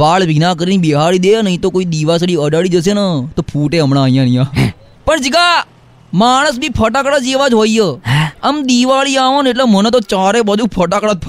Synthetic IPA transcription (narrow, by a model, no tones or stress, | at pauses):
ʋaːɭbʱinakəɾiniɓiɦaɭid̪enəɦĩt̪okoːid̪iʋas̬əɽiəɖaɭid͡ʒəs̬enat̪oːpʰuːʈeɦəmnaːəijãːnijãː | pəɳd͡ʒiɡa | maːɽ̃əsbʱiːpʰəʈakɽad͡ʒeːʋad͡ʒɦoːiɦəəmd̪iʋaɭiaːʋõneʈ̬lemənet̪ot͡ʃaːɾebəd̪ʱũpʰəʈakɽat̪̚pʰ